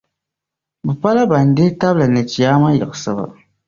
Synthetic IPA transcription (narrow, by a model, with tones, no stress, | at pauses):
bɨ˨pa˦la˦ba˨n˨de˦ta˦bla˨nɛ˨t͡ʃi˨jaː˦ma˦jɪ˨ɡɨ˨sɨ˨ba̰˨